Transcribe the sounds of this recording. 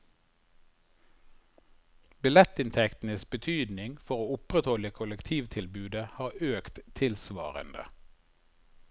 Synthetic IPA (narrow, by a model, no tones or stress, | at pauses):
bɪlɛt̪ɪnt̪ʰɛkt̪n̩əsbət̪ʰyːd̪nɪŋfɔʁoːʊpʁət̪hɔləkʰʊləkt̪ʰiːʋt̪ʰɪlbʉːd̪əhɑːøːkt̪t̪ʰɪlsʋɑ̰ːʁə̰nd̪ə̰